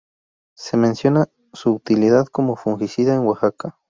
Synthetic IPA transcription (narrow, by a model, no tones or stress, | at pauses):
semensjona | suːt̪iliðaðkomofuŋxisiðaenwaxaka